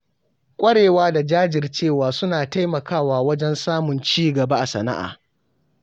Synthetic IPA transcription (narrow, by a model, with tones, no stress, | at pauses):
kʷʼɐ˦ɽeː˨waː˦da˨d͡ʒaː˦d͡ʒɪ˨rt͡ʃeː˦˨waː˨sʊ˦naː˨ta˦jmɐ˨kaː˦˨waː˨wɐ˦d͡ʒɛ˦nsaː˦mʊ˨nt͡ʃiː˦ɡɐ˨ba˦ʔa˨sɐ̰˨na̰˦ʔa̰ː˨